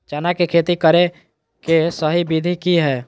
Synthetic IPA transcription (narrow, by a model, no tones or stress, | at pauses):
t͡ʃaːnakekʰeːt̪ikəɾe | kesəɦibid̪ʱikiɦɛː